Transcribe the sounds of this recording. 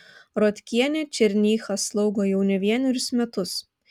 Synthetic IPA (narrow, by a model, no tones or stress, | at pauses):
ɾoːt̪ʲkʲiɛnʲeːt͡ʃʲɛɾʲnʲiːxɐslˠɔʊɡoːjɛʊnʲɛʋʲiɛnʲɛɾʲʊsmʲɛt̪ʊs